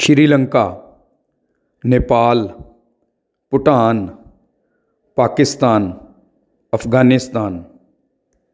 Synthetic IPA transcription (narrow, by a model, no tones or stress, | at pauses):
ʃɪɾiːlə̃ŋkaː | neːpaːl | pʊʈaːn | paːkɪst̪aːn | əpʰɡaːnɪst̪aːn